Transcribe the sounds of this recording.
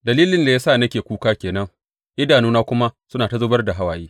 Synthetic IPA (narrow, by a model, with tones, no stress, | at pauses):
dɐ˨liː˦lɪ˦nda˨jaː˦saː˦˨nɐ˦kʲeː˨kʷuː˦kaː˦kʲeː˨nɐ˦ŋ | ʔɪ˦daː˨nuː˦naː˦kʷʊ˦ma˦sʊ˦naː˨ta˦zoː˦bɐ˦rda˨ɦa˦waː˨jiː˦